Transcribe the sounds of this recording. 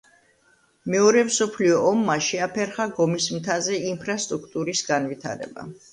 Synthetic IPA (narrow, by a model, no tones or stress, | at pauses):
mɛɔɾɛmsɔpʰliɔʔːmːaʃɛapʰɛɾχaɡɔmismt̪ʰazɛimpʰɾast̪ʼɾukʰt̪ʼuɾisɡanvit̪ʰa̰ɾɛ̰ba̰